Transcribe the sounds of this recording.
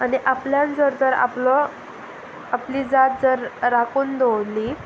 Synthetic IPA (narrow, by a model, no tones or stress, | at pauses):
aniʔapljãnd͡zəɾt̪əɾa̰plɔ | apliːd͡zat̪̚d͡zəɾːakuːnd̪owli